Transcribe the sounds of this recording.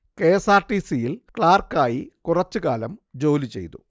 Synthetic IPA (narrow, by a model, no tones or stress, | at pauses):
ke̞ːsaːʈːisijilkɭaːrkaːjikurɐt͡ɕːɨkaːlɐmd͡ʑo̞ːlit͡ɕe̞̰jt̪u